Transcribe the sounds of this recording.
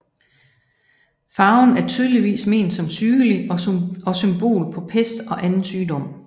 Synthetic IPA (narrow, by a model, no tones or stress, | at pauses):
fɑ̈ʊn̩æɐt͡sʰyːð̞ˠliʋḭːsme̝̰ːnd̥sɒ̽msyːɡəliɒ̽symb̥o̝̰ːlpʰɒ̽pʰesd̥ɒ̽ʔænn̩syːd̥ɒ̽m̰